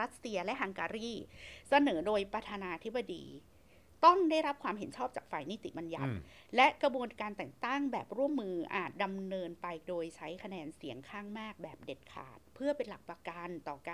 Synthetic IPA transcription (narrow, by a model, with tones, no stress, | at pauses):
ɾa˦˥t̪̚si˧ɐlɛ˦˥ʔɦa˧ŋkaː˧ɾiː˥˩sa˧nɤː˩˦doː˧jpɾa˧t̪ʰaː˧naː˧t̪ʰi˦˥ba˧dḭː˧ | t̪ɔ˥˩ŋda˥˩jɾa˦˥p̚kʰwaː˧mɦe˩˦nt͡ɕʰɔː˥˩p̚t͡ɕaː˨˩k̚faː˨˩jniː˦˥˩t̪ḭ˨˩ba˧nja̰˨˦t̪̚ | lɛ˦˥ʔkɾa˧bu˧ənkaː˧nt̪ɛ˨˩ŋt̪a˥˩ŋbɛː˨˩p̚ɾu˥˩əmːɯː˧ʔa̰ː˨˩t̪̚da˧mnɤː˧npa˧jdoː˧jt͡ɕʰa˦˥jkʰa˧nɛː˧nsi˩˦əŋkʰaː˥˩ŋmaː˥˩k̚bɛː˨˩p̚de˨˩t̪̚kʰa̰ː˨˩t̪̚pʰɯ˥˩ɐpe˧nla˨˩k̚pɾa˧ka˧nt̪ɔː˨˩ka˧